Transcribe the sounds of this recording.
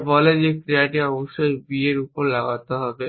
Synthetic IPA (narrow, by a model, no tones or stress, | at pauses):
bɔled͡ʑekɾiaʈiɔboʃːojbieɾupoɾlaɡat̪eɦɔbe